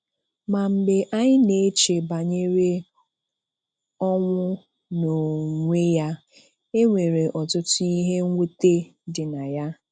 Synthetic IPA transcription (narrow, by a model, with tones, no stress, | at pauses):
ma˨m̩˨ɡ͡be˨ʔa˦ɲɪ˦ne˨˦t͡ʃe˨ba˨ɲe˦ɾe˦ | ɔ˦ŋʷʊ˦ | no˨ŋʷe˦ja˦ | e˦ŋʷe˨ɾe˨ʔɔ˨tʊ˦tʊ˦i˦ɦe˦ŋʷu˦te˦dɪ˨na˨ja˦